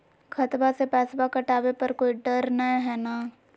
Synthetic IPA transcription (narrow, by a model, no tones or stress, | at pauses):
kʰɐt̪basepɛːsbakɐʈaːbepɐɾkoːiɖɐɾnɐɦɛːnaː